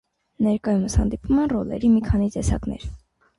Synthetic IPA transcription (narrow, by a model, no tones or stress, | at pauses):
nɛɾkɑjuməshɑ̰nd̪ipumɛnrɔlɛ̰ɾimikʰɑnit̪ɛsɑ̰knɛ̰ɾ